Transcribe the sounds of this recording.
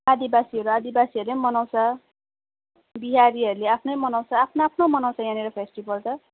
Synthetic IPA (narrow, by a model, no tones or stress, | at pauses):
ad̪ibasiʌɾuad̪ibasiʌɾulejmʌnawsʌ | biɦaɾiʌɾuleapʰnʌjmʌnawsaːpʰnaːpʰnomʌnawsajãneɾʌpʰesʈibʌltʌ